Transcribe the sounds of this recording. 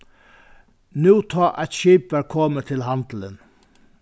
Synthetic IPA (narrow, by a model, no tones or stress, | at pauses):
nʉːt̪ʰɑːʔæɪt̪ʃiːpəɾkʰɔmət̪ʰɪlhɑnd̪̥l̩ə̰n